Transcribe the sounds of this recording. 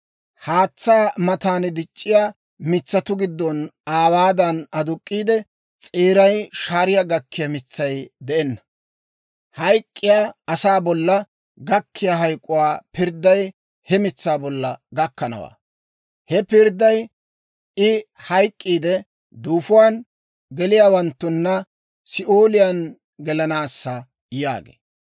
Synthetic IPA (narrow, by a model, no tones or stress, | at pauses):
haːt͡sːaːmɐt̪aːnd̪ɪt͡ʃʼːɪja | mɪt͡sːɐt̪ʊɡɪd̪ːɔnaːwaːd̪ɐnɐd̪ʊkʼːiːd̪ɛ | t͡sʼeːɾɐjʃaːɾɪjaɡɐkːɪjɐmɪt͡sːɐjd̪ɛɛnːɐ̥ | hɐjkʼːɪjaːɐsaːbɔlːɐ | ɡɐkʰːɪjɐɦɐjkʼːʊwaːpɪɾd̪ːɐj | hɛmɪt͡sːaːbɔlːɐɡɐkːɐnɐ̰wa̰ː | hɛpɪɾd̪ːɐj | ɪ | hɐjkʼːiːd̪ɛ | d̪uːfʊwaːn | ɡɛlɪjaːwɐnt̪ːʊnːɐ | sɪʔoːlɪjɐn | ɡɛlɐnaːsːɐ | ja̰ːɡḛː